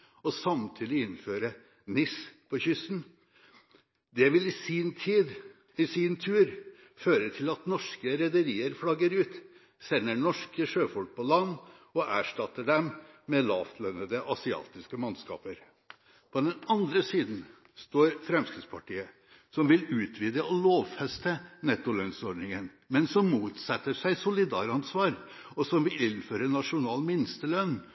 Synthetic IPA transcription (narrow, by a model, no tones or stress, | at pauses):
ɔsɑmt̪ʰiːd̪ɪɪnføːɾə | nɪspʰɔçʏsn | d̪ɛʋɪlɪsɪnt̪ʰiːd̪ | ɪsɪnt̪ʰʉːɾ | føːɾət̪ʰɪlɑt̪nɔʂkəɾɛd̪əɾiːəɾflɑɡəɾʉːt̪ | sɛnːəɳɔʂkəʂøːfɔlk̚pʰɔlɑnːɔʔæːʂʈɑt̪ːəɖɛmmɛlɑːft̪ʰlœnəd̪əʔɑsɪɑ̰ːt̪ɪskəmɑnskɑ̰ːpəɾ | pʰɔd̪ɛnɑnd̪ɾəsiːd̪n̩ | st̪oːɾfɾɛmskɪd̪spʰɑʈiːə | sɔmʋɪlʉːt̪ʰʋiːd̪əɔloːʋfɛst̪ənɛt̪ːʊlœnsɔɖnɪŋən | mɛnsɔmːuːt̪sɛt̪ːəʂæɪsʊlɪd̪ɑ̰ːɾɑnsʋɑːɾ | ɔsɔmʋɪlɪnføːɾənɑʂʊnɑːlmɪnːst̪əlœnː